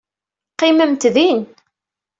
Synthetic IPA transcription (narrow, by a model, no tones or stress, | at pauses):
qːɪməmt̪ðin